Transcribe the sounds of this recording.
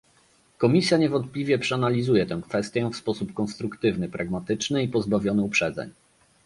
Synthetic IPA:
kɔmʲisʲjaɲɛvɔnt̪̚plʲivʲjɛpʂɛanalʲizujɛt̪ɛ̃w̃kfɛst̪ʲjɛfspɔsupkɔnst̪ɾukt̪ɘvnɘpɾaɡmat̪ɘt͡ʂnɘipɔzbavʲjɔnɘupʂɛd̪zɛ̰ɲ

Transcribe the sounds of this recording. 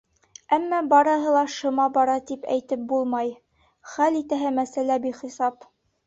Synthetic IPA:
æmːæbɑɾɤ̆ɦɤ̆lˠɑʃɤ̆mɑbɑɾɑt̪ipæ̰jt̪ɘp̚bulˠmɑj | χælit̪æɦæmæsælæbiχisɑp

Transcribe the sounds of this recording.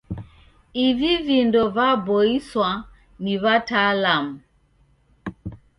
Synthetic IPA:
ivivindɔvabɔiswa | niβatalamu

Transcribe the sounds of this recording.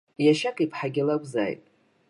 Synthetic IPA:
jaʃakʼipʰħaɡʲɪlakʷza̰jtʼ

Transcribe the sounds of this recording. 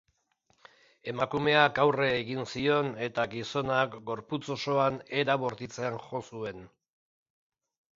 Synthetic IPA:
e̞makume̞akawre̞ːɣinsio̞ne̞t̪aɡiso̞nakɡo̞ɾput͡so̞so̞ane̞ɾaβo̞ɾt̪it͡se̞anʝo̞sue̞n

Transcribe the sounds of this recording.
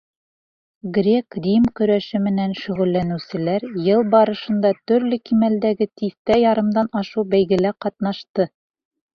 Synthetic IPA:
ɡɾʲekrʲimkɵ̆ɾæʃɘmɘ̆nænʃɵ̆ʁɵ̆lːænʉ̆wsɘ̆læɾjɤlˠbɑɾɤ̆ʃɤ̆nd̪ɑt̪ɵ̆ɾlɘkimæld̪æɡɘt̪iθt̪æjɑɾɤ̆md̪ɑnɑʃuwbæjɡɘ̆læqɑt̪nɑʃt̪ɤ

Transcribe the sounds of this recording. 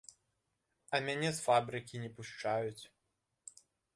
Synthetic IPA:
ɐmʲanʲɛsfabɾɨkʲinʲɛpuʂt͡ʂajut͡sʲ

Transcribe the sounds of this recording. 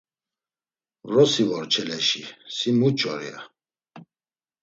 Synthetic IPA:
vɾɔsivɔɾt͡ʃʰɛlɛʃisimut͡ʃʼɔɾḭa

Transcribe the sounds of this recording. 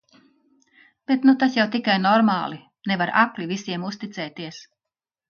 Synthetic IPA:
b̥et̪nut̪asjawt̪ikajnɔɾmaːlˠi | nevaɾa̰klʲivisiɛmust̪it̪sɛːt̪iɛs

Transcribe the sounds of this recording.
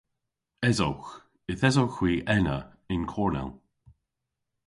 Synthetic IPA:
ɛzo̰wx | ɪθɛzowxwiːʔɛnə̰ | ɪnkʰɔːɹnɛ̰l

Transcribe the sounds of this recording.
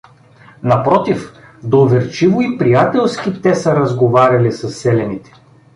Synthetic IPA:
nɐpɾɔt̪if | d̪ovɛɾt͡ʃivoipɾijat̪ɛlˠsk̟it̪ɛsɐɾɐzɡovaɾʲɐlisɐsːɛlɛnit̪ɛ̥

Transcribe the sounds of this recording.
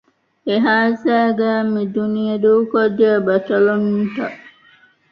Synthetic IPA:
eɦaːsæːɡæːmid̪unijed̪uːkod͡ʒəbɐt̪ɐlonunt̪ɐʔ

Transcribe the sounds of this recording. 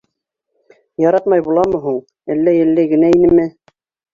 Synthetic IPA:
jɑɾɑt̪mɑjbulˠɑmɤ̆ɦuɴ | ælːæjælːæɡɘ̆næinɘmɘ

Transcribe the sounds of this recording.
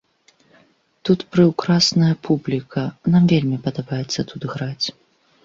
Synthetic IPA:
t̪ut̪pɾɨwkɾasnɐjɐpʰublʲikʰɐnamvʲelʲmʲipɐd̪abajɛt̪sːɐt̪ʰud̪ɣɾat͡sʲ

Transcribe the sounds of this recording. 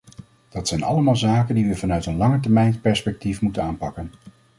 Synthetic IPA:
d̥ɑtsɛjnɑ̰ləmaːlˠzaːkəndiʋəvɑnœɥtənlɑŋət̬ɛɹmɛjnspɛɹspɛk̚tifmutənaːnpɑkən

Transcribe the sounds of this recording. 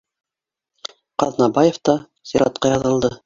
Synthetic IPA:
qɑðnɑbɑjeft̪ɑ | z̥iɾɑ̰t̪̚qɑjɑðɤ̆lˠd̪ɤ

